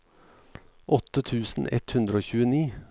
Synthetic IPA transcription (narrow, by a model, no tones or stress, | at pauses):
ʔɔt̪ət̪ʰʉːsn̩ɛ̰t̪hʉnd̪ɾəoːçʉːəniː